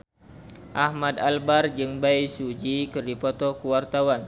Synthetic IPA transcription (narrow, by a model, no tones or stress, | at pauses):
ʔahmad̪albard͡ʒɨŋbajsud͡ʒikɨrdipɔt̪ɔkəwart̪awan